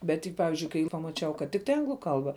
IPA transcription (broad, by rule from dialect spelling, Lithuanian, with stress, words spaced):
ˈbʲɛt tʲɪk ˈpɑːʋʲɪzʲd͡ʒʲʊɪ kɐɪ pɐmɐˈt͡ʃʲɛʊ kɐt ˈtʲɪktɐɪ ˈɐŋɡlˠʊ ˈkɐlˠbɐ